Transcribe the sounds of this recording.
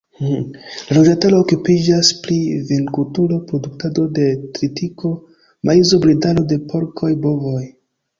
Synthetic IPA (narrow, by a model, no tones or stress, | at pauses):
lalod͡ʒantalo̞ːkupid͡ʒasplivinkutulopɾo̞duktado̞de̞tɾitikʰo̞ | mʔaizo̞bɾidalo̞de̞pʰo̞ɾkʰo̞jbo̞voj